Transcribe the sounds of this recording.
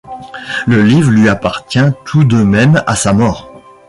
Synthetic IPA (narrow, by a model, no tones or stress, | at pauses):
ləlivʁlɥiapaʁt̪jɛ̃t̪ʰud̪ømɛma̰samɔːʁ